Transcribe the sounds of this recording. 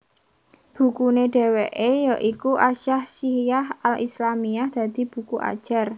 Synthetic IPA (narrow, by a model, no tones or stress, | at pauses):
b̥ṳkuneɖ̥e̤weʔejɔʔikuʔaʃahsihijahalʔḭslamijahd̪̥ä̤d̪̥i̤b̥ṳkuʔa̰d̥ʒ̥a̤r